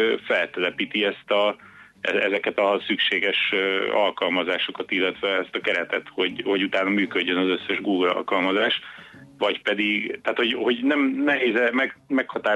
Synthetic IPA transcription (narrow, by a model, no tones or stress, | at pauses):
fɛlt̪ɛlɛpiːt̪iɛst̪ɒ | ɛ̰ɛzɛkɛt̪ɒsykʃeːɡɛʃøɒ̰lkɒlmɒzaːʃo̞kɒt̪ilːɛt̪ʋɛɛst̪ɒkɛɾɛt̪ɛt̪ho̞ɟho̞ɟut̪aːnɒmyːkø̞ɟːø̞nɒzøsːɛʒɡuːɡlɒ̰lkɒlmɒzaːʃ | vɒcpɛd̪iɡt̪aːt̪ho̞ɟho̞ɟnɛmnɛɦeːzɛmɛmɛkhɒt̪aː